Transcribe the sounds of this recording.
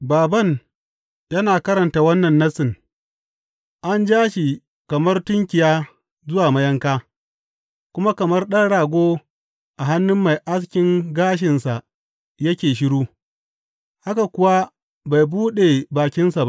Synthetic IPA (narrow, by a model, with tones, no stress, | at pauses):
baː˨bɐ˦˨ŋ | jɐ˦naː˨kɐ˦ɾɐ˨nta˨wɐ˦nːɐ˨nːɐ˦sɪ˨n | ʔa˦nd͡ʒaː˦ʃi˨ | kɐ˨mɐ˦rtʊ˦ŋkʲɪ˨jaː˦ | zʊ˦waː˨mɐ˦jɐ˦ŋkaː˦ | kʷʊ˦ma˦kɐ˨mɐ˦rɗɐ˦nɽaː˨ɡʷoː˦ | ʔa˨ɦa˦nːʊ˦mːa˨jʔa˦skʲɪ˦ŋɡaː˦ʃ̬ɪ˨nsa˨ | jɐ˦kʲeː˨ʃ̬ɪ˦ɽuː˦ | ha˦ka˨kʷʊ˦wa˦ | ba˨jbuː˦ɗe˨baː˨kʲɪ˦nsa˨ba˦ʔ